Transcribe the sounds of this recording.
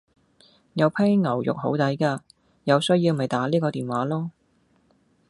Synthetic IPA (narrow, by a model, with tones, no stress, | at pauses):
jɐ˨˧wpʰɛ˥ŋŋɐ˨˩wjʊ̰˨k̚ɦo˨˥wt̪ɐ˨˥jkaː˧ | jɐ˨˧wsɵ˥jiː˧wmɐ˨˩jt̪aː˨˥liː˥kɔː˧iː˨nwaː˨˥lɔː˥